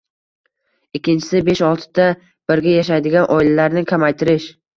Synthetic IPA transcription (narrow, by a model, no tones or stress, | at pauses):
ɪkʲːɪnt͡ʃʰɪ̥sɪbe̞ʃɒlˠt̪ʰɪ̥d̪̥a | b̥ɪɾɡʲajaʃajd̪ɪɡʲanʔɒɪlalaɾnɪkʲʰamajt̪ʰɪɾɪʃ